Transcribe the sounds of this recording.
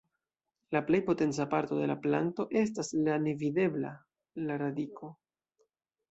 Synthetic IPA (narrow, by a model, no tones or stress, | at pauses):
laple̞jpo̞te̞nt͡sapaɾto̞de̞laplanto̞ʔe̞staslanevide̞bla̰ | laɾadikʰo̞